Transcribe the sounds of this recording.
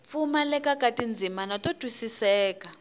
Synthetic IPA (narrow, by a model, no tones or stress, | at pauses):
p̪fumalɛkakʼatʼind͡zʱimanatʼotwisisɛːka